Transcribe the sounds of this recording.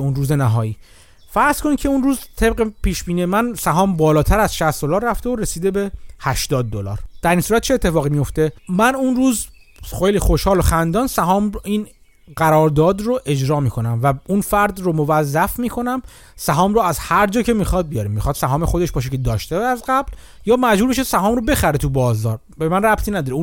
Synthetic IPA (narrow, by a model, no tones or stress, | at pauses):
unruːzenæɦɒːjiː | fæɾz̥kʰo̞nicʰe̞unruːzt̪ʰeb̚ɢepʰiːʃbiːniemænsæɦɒːmbɒːlɒːt̪ʰæɾæzʃæst̪d̪olɒːɾːæft̪eoɾesiːd̪e̞be̞hæʃt̪ɒːd̪̚ːolɒ̰ːɾd̪̥æɾiːnsuːɾæt̪̚t͡ʃʰeet̪ʰːe̞fɒːɣimijo̞ft̪e̞mænunruːzxejliːxo̞ʃhɒːloxænd̪ɒːnsæɦɒːmiːn | ɢæɾɒːɾd̪ɒːd̪roʔe̞d͡ʒɾɒːmiːkʰo̞næmvæunfæɾd̪romo̞væzːæfmiːkʰo̞næm | sæɦɒːmroæzhæɾd͡ʒɒːcʰe̞miːxɒd̪̚bijɒːɾimːixɒːd̪̥sæɦɒːmexo̞d̪eʃbɒːʃ̬ecʰed̪ɒːʃt̪eæzɡæbl | jɒːmæd͡ʒuːɾbeʃesæɦɒːmɾobe̞xæɾet̪ʰubɒːzɒːɾ | bemænræbt̪ʰiːnæd̪ɒːɾeu